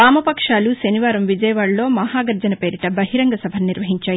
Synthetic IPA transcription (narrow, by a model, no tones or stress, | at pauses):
aːmɐpɐkʂaːluʃɐniʋaːɾɐmʋid͡ʒɐjɐʋaːɽlo̞ːmɐɦaːɡɐɾd͡ʒɐnɐpe̞ːɾiʈɐbɐɦiɾɐŋɡɐsɐbʱɐniɾʋɐɦiɲt͡ʃaːji